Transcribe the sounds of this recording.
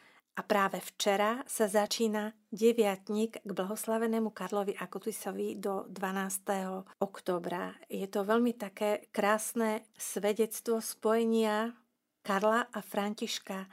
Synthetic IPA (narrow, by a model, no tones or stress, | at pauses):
ʔapɾaːʋɛft͡ʃɛɾasazat͡ʃiːna | ɟɛʋɪat̪ɲiɡɡblaɦɔslaʋɛnɛːmukaɾlɔʋiʔakut̪isɔʋid̪ɔd̪ʋanaːst̪ɛɦɔɔkt̪ɔːbɾa̰jɛt̪ɔʋɛʎmit̪akɛːkɾaːsnɛsʋɛɟɛt͡st̪ʋɔspɔjɛɲɪa | kaɾlaʔafɾaɲciʃka